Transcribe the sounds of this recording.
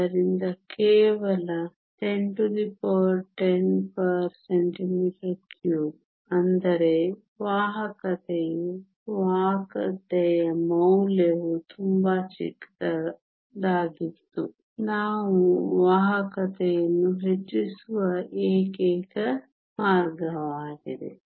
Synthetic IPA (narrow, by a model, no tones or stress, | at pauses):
ɐɾind̪ɐkɛːʋɐlɐ | t̪eɳʈud̪ipoɾʈenpɐɾseɳʈimiʈɐɾkʰjuːb | ɐnd̪ɐɾe | ʋaːɦɐkɐt̪ɛju | ʋaːkɐ̰t̪ɛjɐmɐwleʋut̪ʰumbɐt͡ʃḭkt̪ɐ | d̪aːɡit̪ːu | naːʋuʋaːɦɐkɐt̪ɛjɐnːuɦet͡ʃːisuʋɐʔeːkɛːkɐ | maːɾɡɐʋaːɡid̪ḛ